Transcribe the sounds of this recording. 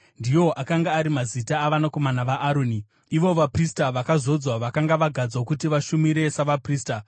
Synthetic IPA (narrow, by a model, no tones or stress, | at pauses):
ndijo̞ʔakaŋɡaːɾimazitaːʋanako̞manaʋaʔːɾoːniː | ʋo̞ʋapristaʋakazo̞d͡zwaʋakaŋɡaʋaɡʱad͡zwokutiʋaʃumiɾe̞saʋapriːsta